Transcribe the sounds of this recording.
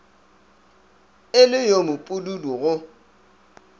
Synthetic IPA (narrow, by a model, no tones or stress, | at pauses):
ɪlɪjomʊpʼululuɣʊ